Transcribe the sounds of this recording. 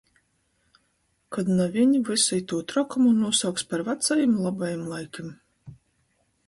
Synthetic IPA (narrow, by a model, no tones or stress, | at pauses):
kad̪navʲiɲivɨsɛjt̪uɔt̪ɾɔkumunuɔsawkspaɾvat̪sajimlˠabajimlˠajkʲim